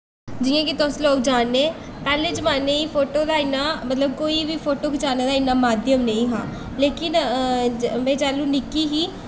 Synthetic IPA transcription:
d͡ʒɪːãːkɪt̪ʊsloːk̚d͡ʒaːnːeː | pɛːleːd͡ʒəmaːneːiːpʰoːʈoːd̪aːɪnːaːmət̪ləb̚koːiːʋiːpʰoːʈoːkɪt͡ʃaːneːd̪aːɪnːaːmaːd̪jəmneĩːɦa̰ː | leːkɪn | mɛ̃ːt͡ʃaːlũːnɪkiːɦiː

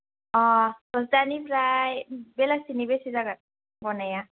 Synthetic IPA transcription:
ɔsɔsdanipɾajbɛlasinibesizaɡat̚ | ɡɔnaja

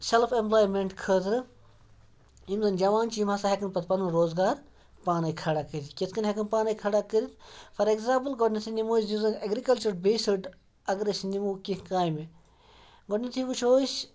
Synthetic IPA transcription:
selfʰẽmplaːjmeɳʈkʰəːt̪ɾɨ | imzɐnd͡ʒɐʋaːnt͡ʃiimɐsaɦekɨnpɐt̪pɐnɨnɾoːzɡaːɾ | paːnɐkʰɐɽakəɾʲit̪kʲeskɐnɦɐkɨnpaːnɐjkʰɐɽakəɾʲit̪fʰɐɾeɡzaːmpɨlɡoʈnit̪ʰinimoːsimzɐnɐɡɾikɐlt͡ʃɐɾbeːsɨɖ | ɐɡɾɐsnimukĩkaːjme | ɡoʈnit̪ʰiʋut͡ʃʰoːs

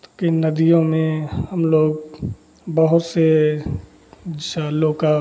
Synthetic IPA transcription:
kenɐd̪ijõmẽhəmloːɡ | bəɦʊt̪se | aloːka

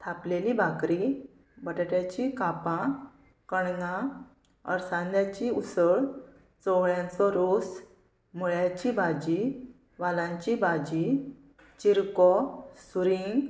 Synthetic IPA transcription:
t̪ʰaplelibʱakɾi | bəʈəʈjat͡ɕikapã | kəɳnã | ə̰ɾsãnd̪jat͡ɕiusəɭ | t͡sɔɡɭjãnt͡sɔɾos | m̤uɭjat͡ɕibad͡ʑi | ʋalãɲt͡ɕibad͡ʑi | t͡ɕiɾkɔsuɾiŋɡ

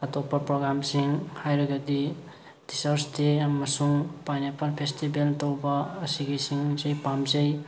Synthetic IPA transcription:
ɐtopːɐpɾoɡɾamsiŋhajɾɐɡɐdi | d̥isaɾsteɐmɐsuŋpajnepalpʰestibeltowbɐːsiɡejsiŋzɐjpamzɐj

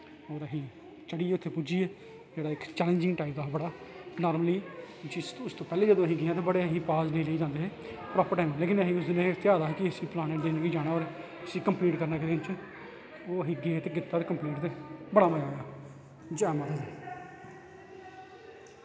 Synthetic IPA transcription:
oːɾəɦĩː | t͡ʃəɽiːeːʊt̪ʰːeːpud͡ʒiːeː | d͡ʒeːɽaːɪkt͡ʃɛːlə̃nd͡ʒɪŋɡʈaːɪp̚d̪aːɦbəɽaːnaːɾməliː | d͡ʒisʊst̪õːpɛːleːd͡ʒəd̪õːəɦĩːɡɪãːt̪̬eːbəɽeːəɦĩːpaːznĩːləiːd͡ʒãːnd̪eːeːpɾaːpəɾʈaːɪmːleːkɪnəɦĩːʊsd̪ɪnẽːt̪ɪjaːd̪aːɦɛːkɪəsiːplaːneːʈd̪eːnɡiːd͡ʒaːɽ̃aːoːɾ | əsiːkəmpliːʈkəɾnaːkːd̪eːt͡ʃ | oːəɦĩːɡeːt̪eːɡɪt̪ːaːt̪eːkəmpliːʈt̪eːbəɽaːməjaːojaː | d͡ʒaːmãːt̪ae

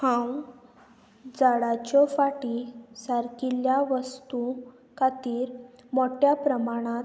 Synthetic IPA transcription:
hãw | d͡zaɽat͡ɕɔfaʈisaɾkiljaʋəst̪u | kat̪iːɾ | moʈjapɾəmaɽ̃ãt̪

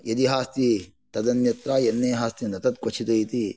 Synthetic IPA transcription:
jɐd̪iɦaːst̪i | t̪ɐd̪ɐnjɐt̪ɾaːjenːeːɦaːst̪inɐt̪ɐt̪̚kʋɐt͡ʃʰit̪ɐit̪i

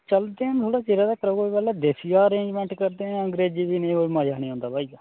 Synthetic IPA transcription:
t͡ʃəld̪eːãnt̪ʰoːɽaːt͡ʃeːɾaːd̪aːkəɾəɡoːbɛlɛːd̪esɪjaːəɾẽːd͡ʒmɛ̃ːɳʈkəɾd̪ẽːə̃ŋɡɾeːd͡ʒiːbiːnẽːomaːjaːɽ̃iːɦõːnd̪aːbʱaːi

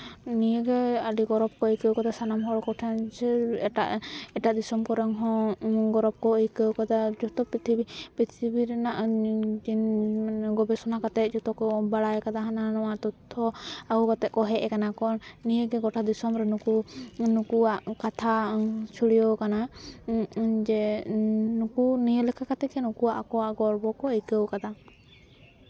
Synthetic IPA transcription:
nijɛɡɛaɖiɡɔɾɔb̚kɔikəwkad̪asanamɦɔɽkɔʈʰand͡ʒɛɛʈa̰ʔɛʈaʔd̪isɔmkɔɾɛŋɦɔ̃ɡɔɾɔb̚kɔikəwkad̪ad͡ʒɔt̪ɔpɾit̪ʰibipɾit̪ʰibiɾɛnaʔd͡ʒinɡɔbɛsɔnakat̪ɛt̪̚d͡ʒɔt̪ɔkɔbaɽajkad̪aɦananɔwaʔt̪ɔt̪ʰːɔaukat̪ɛʔ̪̚kɔɦɛʔɛkanakɔnnijəɡɛɡɔʈʰad̪isɔmɾɛnukunukuaʔkat̪ʰat͡ʃʰuɽijɔwkana | d͡ʒɛ | nukunijəlɛkʰakat̪ɛkɛnukuaʔakɔwaʔɡɔɾbɔkɔəjkəwkad̪a

